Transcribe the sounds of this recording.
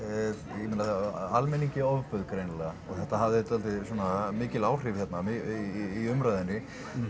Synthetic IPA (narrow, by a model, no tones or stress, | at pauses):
jɛmɪnaalmɛniɲcɪɔvfœðkɾejnlɛɣaɔɣθɛht̪aɦavðɪt̪alt̪ɪsɔːnamɪːcɪlaːwr̥ɪvçjɛt̪namɪː | ʏmɾajðɪnːɪ